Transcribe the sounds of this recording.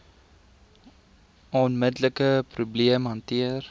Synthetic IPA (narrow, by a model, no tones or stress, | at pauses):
ɔnmədləkəprubliəmɦɐntiər